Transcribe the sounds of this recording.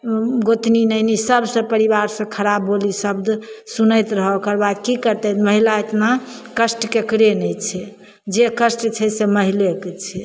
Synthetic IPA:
ɡot̪ninɛɦnisəbsə̃pəɾibaɾsə̃kʰəɾabːolisəbd̪sunəjt̪ɾəɦokəɾbad̪kikəɾt̪ɛməɦilaet̪nakəsʈkekɾenɛjt͡ʃʰɛ | d͡ʒekəsʈt͡ʃʰɛseməɦileket͡ʃʰɛ

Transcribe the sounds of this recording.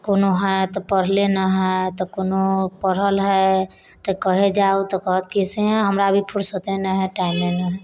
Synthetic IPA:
konoɦət̪ɔpəɽ̤lenəɦɛt̪ɔkonopəɽ̤əlɦə | t̪əkəɦed͡ʒaut̪ɔkəɦət̪kisẽɦəmɾabʱipʰuɾsot̪enəɦɛʈaimːenəɦɛ

